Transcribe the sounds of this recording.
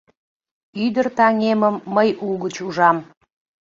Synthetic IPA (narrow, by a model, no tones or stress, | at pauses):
yd̪ərt̪ɑŋeməmːəjulɡət͡ɕuʒɑm